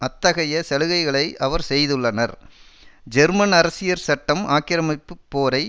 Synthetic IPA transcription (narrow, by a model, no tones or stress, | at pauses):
ɐt̪ːɐɣɐjɐsɛlɯɣɐɪɣɐɭɐɪʔɐʋɐɾsɛjðɯɭːɐnɐɾ | d͡ʒɛɾmɐnɐɾɐsɪjɐɾsɐʈːɐmaːkɪɾɐmɐpːɯpːoːɾɐɪ